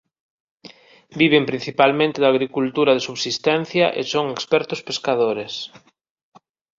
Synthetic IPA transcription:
biβempɾĩn̟θipalmẽnt̪eðaɣɾikult̪uɾaðesuβsist̪ɛn̟θjɐʔḛsoŋekspɛɾt̪ʊspeskaðoɾes

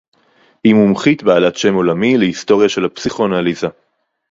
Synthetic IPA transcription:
himumχit̪beːlatʃe̞mo̞lamilehist̪o̞ʁjaʃe̞lhapsiχo̞naliza

